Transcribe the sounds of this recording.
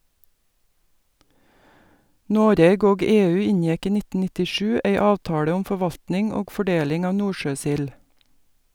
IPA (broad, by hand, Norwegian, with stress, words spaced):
ˈnoːɾeːɡ ˈoːɡ ˈeːˌʉː ˈɪnjɛk ˈiː ˈnɪtə nɪtɪˈʃʉː ˈæɪ ˈɑːʋtɑːɽə ˈʊm fɔˈʋɑltnɪŋ ˈoːɡ fɔˈɖeːlɪŋ ˈɑːʋ ˈnuːʃøːˌsɪl